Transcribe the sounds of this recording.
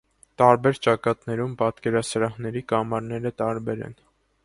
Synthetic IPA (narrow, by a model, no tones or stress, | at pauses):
t̪ɑɾbɛɾt͡ʃɑkɑt̪nɛɾumpɑt̪kɛɾɑsəɾɑhnɛɾikɑmɑɾnɛɾət̪ɑɾbɛɾɛ̰n